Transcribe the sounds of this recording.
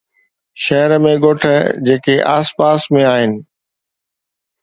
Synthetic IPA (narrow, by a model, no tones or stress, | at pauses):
ʃɐɦəɾmẽɠoːʈʰəd͡ʑeːkeʔaːspaːsmẽaːɦɪnɪ̆